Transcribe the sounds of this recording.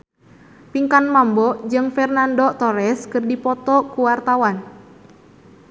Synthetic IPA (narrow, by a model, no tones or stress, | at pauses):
piŋkanmambɔd͡ʒɨŋfɛrnandɔt̪ɔɾɛskɨrdipɔt̪ɔkuwart̪awan